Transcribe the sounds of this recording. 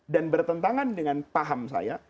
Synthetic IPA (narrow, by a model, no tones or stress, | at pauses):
danbərt̪ənt̪aŋandəŋanpaɦamsa̰ja